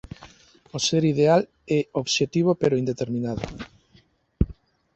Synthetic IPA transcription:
oseɾiðeal | ɛoβʃet̪iβ̞opeɾoind̪et̪eɾmĩnaðʊ̰

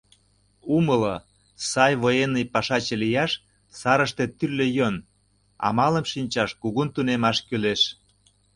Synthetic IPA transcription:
uməlŏ | sɑjβojenːəjpɑʃɑt͡ɕĕlijɑʃ | sɑɾəʃt̪et̪yrlejon | ɑ̰mɑlə̆mʃinʲt͡ɕɑʃkuɣunt̪unemɑʃkyleʃ

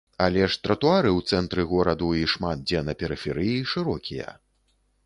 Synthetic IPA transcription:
ɐlʲɛʂt̪ɾɐt̪uaɾɨwt̪sɛnt̪ɾɨɣɔɾɐd̪uiʂmat̪̚d͡zʲɛnɐpʲɛɾɨfʲɛɾɨjiʂɨɾɔkʲʰijɐ̰

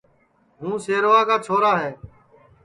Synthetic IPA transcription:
ɦũːseːɾoːaːkaːt͡ʃʰoːɾaːɦeː

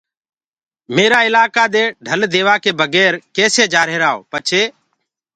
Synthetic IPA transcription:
meːɾaːɪlaːkaːd̪eːɖʱəld̪eːʋaːkeːbʱəɡɛːɾkeːseːd͡ʒaːɾeːɾaːo̰ːpət͡ʃʰeː

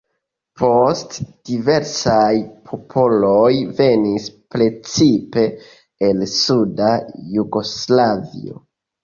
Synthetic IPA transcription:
pʰo̞std̥ive̞ɾsajpʰo̞pʰo̞lo̞jve̞nispɾe̞t͡sipe̞ | elsudajuɡo̞slavḭo̰

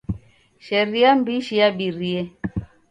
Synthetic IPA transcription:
ʃɛɾiambiʃiaɓiɾiɛ

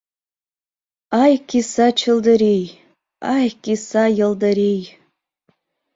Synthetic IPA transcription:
ajkʲisat͡ʃʰɨldɐɾej | ajkʲʼisajəldaɾej

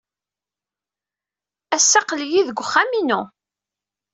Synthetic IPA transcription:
æsːaqljiðɡʷχːæminu

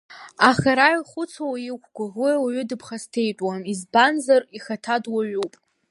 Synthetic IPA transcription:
aχaɾaiχʷʊt͡sʰowikʷʰɡʷawiwaɥʏdɨpʰχastʰe̞jt͡ʃʼwamizbanzariχatʰadwaɥupʼ

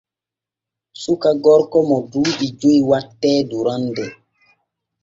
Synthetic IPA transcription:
sukaɡɔɾkɔmɔduːʔid͡ʒojwatːɛːduɾandɛ

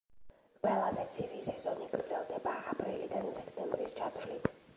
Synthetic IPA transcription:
qʼwɛlˠazɛt̪sʰiɾisɛz̥ɔniɡɾd̪zɛlˠd̪ɛbaːpʰʼɾilḭd̪ansɛkʰt̪ʰʼɛmbɾist͡ʃʰat̪ʰvlit̪ʰ

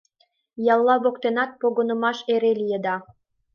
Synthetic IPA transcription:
jɑlˠːɑβokt̪enɑt̪̚poɣonə̆mɑʃeɾelijəd̪ɑ

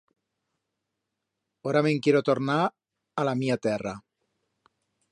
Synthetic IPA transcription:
oɾameŋkjeɾot̪oɾna | alamiat̪era

